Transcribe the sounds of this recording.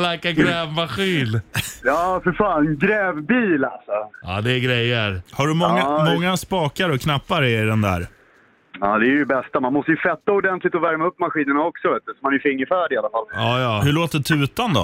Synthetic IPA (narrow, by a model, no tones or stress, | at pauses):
lakːaɡɡɾɛːvmaɧiːnjɑːfœɾfaːnɡɾɛːvbiːla̰lsɔa̰ːd̪ɛːɡɾɛjːəɾhaɖɵmɔŋːamɔŋːaspɑːkaɾɔkʰnapːaɾɛɪd̪ɛnd̪æ̰ːɾ | aːd̪ɛæɾjɵbɛst̪amanmɔst̪əjɵfɛt̪ːaʊd̪ɛnt̪lɪt̪ɔvæɾmaɵpːmaɧiːnəɳaɔksɔveːt̪əsɔmanjfɪŋːəɾfæːɖɪalːafalɑːjɑːhɵɭoːt̪ɛt̪ʰʉ̟ːt̪and̪ɔ̰